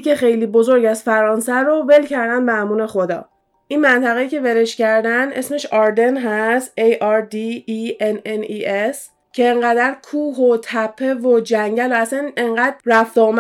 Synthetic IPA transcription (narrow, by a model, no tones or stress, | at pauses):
kexe̞jliːbo̞zo̞ɾɟæzfæɾɒːnsæɾove̞lcʰæɾd̪ænd̪mæmuːne̞xod̪ɒ̰ː | ʔinmænt̪ʰæɣejice̞veɾeʃcæɾd̪æne̞̰sme̞ʃɒɾd̪e̞nɦæst̪ejɒɾd̪iːeneniʔes | cʰe̞ːŋɢæd̪æɾkʰuːɦot̪ʰæpʰːe̞vod͡ʒæŋɟælohæst̪ænʔe̞ŋɢæd̪̚ræft̪om